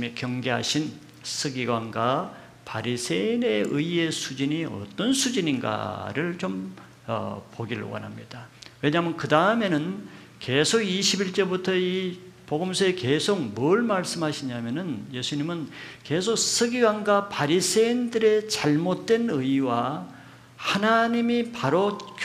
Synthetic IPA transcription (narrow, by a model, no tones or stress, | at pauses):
ikjʌŋɡe̞ɦa̰ɕʰin | sʰɯɡiɡwaŋɡa | paɾisʰeine̞ɯie̞sʰud͡ʑiɲiʌ̰t͈ʌnsʰud͡ʑiɲinɡa̰ɾɯɭt͡ɕom | ʌ̰poɡiɾɯ̰wʌ̰nɦa̰mɲid̥awe̞ɲamjʌnkɯdaɯme̞nɯn | ke̞sʰoɡiɕʰibiɭt͡ɕ͈ʌbutʰʌipoɡɯmsʰʌeke̞sʰok̚mʌɭmaɭs͈ɯmɦaɕʰiɲamjʌnɯnje̞sʰuɲimɯnke̞sʰok̚sʰɯɡiɡaŋɡapaɾisʰe̞indɯɾe̞t͡ɕaɭmot̚t͈we̞nɯiwa | hanaɲimipaɾok